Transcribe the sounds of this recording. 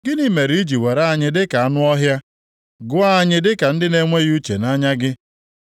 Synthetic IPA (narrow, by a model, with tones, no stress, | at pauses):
ɡɪ˦ni˦me˨ɾi˦d͡ʒi˨we˨ɾa˦˨ɲɪ˨dɪ˦ka˨a˦nʊ˦ɔ˦ɦja˦ | ɡʊ˦a˦˨ɲɪ˦dɪ˦ka˨n̩˦dɪ˦ne˦ŋʷe˦ɣu˦t͡ʃḛ˨na˦ɲa˦ɡɪ˦